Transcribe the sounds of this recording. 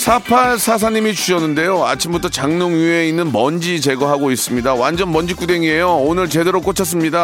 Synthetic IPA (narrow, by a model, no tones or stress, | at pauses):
sʰapʰaɭsʰas̬ʰaɲimit͡ɕuɕʌnːɯnde̞joat͡ɕʰimbutʰʌt͡ɕaŋnoŋjue̞inːɯnmʌnd͡ʑit͡ɕe̞ɡʌɦaɡois͈ɯmɲidawand͡ʑʌnmʌnd͡ʑik͈ude̞ŋie̞joonɯɭt͡ɕede̞ɾok͈ot͡ɕʰʌs̬͈ɯmɲida